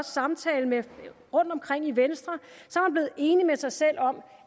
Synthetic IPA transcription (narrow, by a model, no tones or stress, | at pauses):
ssːɑ̈mt͡sʰɛːləme | ʁɔ̽n̰d̥ɒ̽mkʰʁeŋ̰iʋensd̥ʁɐsɒ̽hænble̝ːð̩ˠe̝ːnimesɑ̈ɪsel̰ɒ̽m